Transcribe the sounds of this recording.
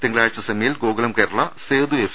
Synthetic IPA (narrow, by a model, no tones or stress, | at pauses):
t̪iŋːɐɭaːɻt͡ɕːɐsɐmɐjilɡoːɡɐlɐmkeːɾɐɭɐseːd̪uef